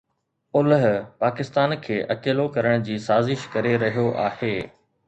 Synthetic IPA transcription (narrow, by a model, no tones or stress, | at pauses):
ʊlɦpaːkɪst̪aːnkʰeːʔɐkeːlokɐɾəɽ̃d͡ʑiːsaːzɪʃkɐɾeɾɐɦijoʔaːheː